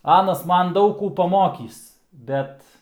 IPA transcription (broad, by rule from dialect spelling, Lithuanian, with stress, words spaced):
ˈɑːnɐs ˈmɐn ˈdɐʊk ˈkuː pɐˈmoːkʲiːs ˈbʲɛt